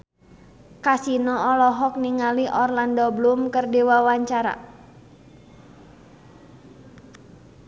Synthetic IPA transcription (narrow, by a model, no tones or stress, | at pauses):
kasinɔɔlɔɦɔk̚niŋaliʔɔrlandɔblumkərdewawaɲt͡ʃaɾa̰